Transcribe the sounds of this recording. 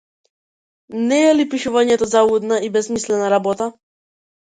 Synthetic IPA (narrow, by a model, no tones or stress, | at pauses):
nɛɛlipiʃuvaɲɛt̪ɔzaud̪naibɛsmislɛnaɾabɔt̪a